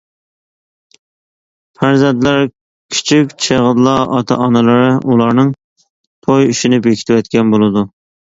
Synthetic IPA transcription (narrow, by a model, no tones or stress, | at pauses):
fʰæɾzɛnt̪læɾ | kʲʰy̥t͡ʃʰikʲt͡ʃʰeʁəd̪lˠɑʔɑt̪ʰɛ̰ʔɑnɨlˠɨɾɨʔulˠɑɾnɨŋ | t̪ʰojyʃinɪpekʲʰi̥t̪ʰɪwɛt̪kʲɛnbolˠɨd̪u